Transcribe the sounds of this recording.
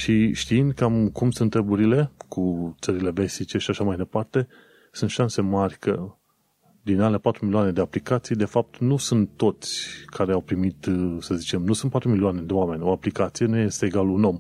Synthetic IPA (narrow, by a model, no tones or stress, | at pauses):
ʃiʃt̪iind̪̚kamkumsunt̪ɾebuɾile̞kʰut̪səɾile̞ve̞sit͡ʃe̞ʃiaʃamajd̪e̞part̪e̞ | sunt̪ʃanse̞marʲkʰə | d̪inalepat̪ɾumilioane̞d̪e̞aplikat̪sijd̪e̞fap̚t̪nusunt̪ːo̞t̪sʲkʰaɾe̞awpɾimit̪səzit͡ʃe̞mnusunt̪̚pat̪ɾumilioane̞d̪e̞oame̞nʲo̞aplikat̪sije̞nuje̞st̪e̞ːɡaluno̞m